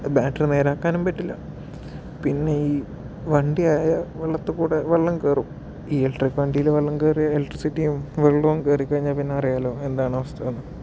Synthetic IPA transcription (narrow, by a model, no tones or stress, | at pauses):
baːʈːɨne̞ːɾaːkːaːnumpɐtːilːɐ̰ | pinːe̞iː | ʋɐɳɖiaːjɐʋɐɭːɐt̪ːɨkuːɽeʋɐɭːɐŋkeːrum | iːelʈrikːʋɐɳɖijileʋɐɭːɐŋkeːrijɐeleʈrisitːijumʋeɭːuɐŋkeːrikʲːɐɻiɲːaːlpinːeɐrijaːlo̞ːe̞nd̪aːɳɐʋɐst̪ʰɐʋɐnːɨ